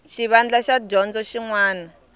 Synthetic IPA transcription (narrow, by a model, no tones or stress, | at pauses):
ʃiβand͡ɮaʃad͡ʒɔnd͡zɔʃiŋwaːna